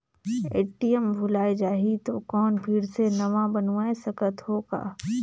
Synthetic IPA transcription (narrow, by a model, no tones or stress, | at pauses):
ḛːʈijəmbʱʊlaːed͡ʒaːɦit̪okɔːnpʰɪɾsenɐʋãbɐnuaesɐkət̪ɦoːɡa̰ː